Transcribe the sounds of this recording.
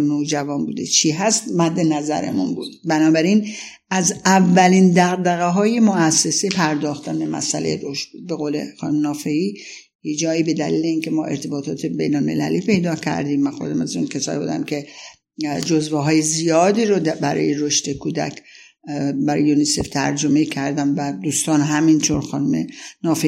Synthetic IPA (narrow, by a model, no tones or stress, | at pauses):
nod͡ʒævɒːnbṵːd̪ḛt͡ʃʰiɦæst̪mæd̪ːenæzæ̰ɾḛmunbuːd̪̥bænɒːbæɾin | æzævːælind̪æɣd̪æɣeɦɒːje̞moæsːe̞sepʰæɾd̪ɒːxt̪ʰænbe̞mæ̰sælejed̪oʃb̥ud̪̚be̞ɣoːle̞̰xɒ̰ːnumnɒːfe̞iː | jed͡ʒɒːiːbe̞d̪æ̰liːleiːncʰe̞mɒ̰ːʔe̞ɾt̪ʰe̞bɒːt̪ʰɒːt̪ʰebejnolme̞̰læ̰liːpʰe̞jd̪ɒːcʰæ̰ɾd̪iːmːænxod̪æmæzunkʰesɒ̰ːbṵːd̪æ̰mkʲʰe̞ | d͡ʒozveɦɒːjezijɒːd̪iːɾobæɾɒ̰ːjeɾoʃt̪ekʰuːd̪æ̰kʰ | bæɾ̰junise̞ft̪ʰæ̰ɾd͡ʒomecʰæɾd̪ænvæd̪uːst̪ɒːnɦæmint̪ʰoɾxɒːnumḛnɒːfei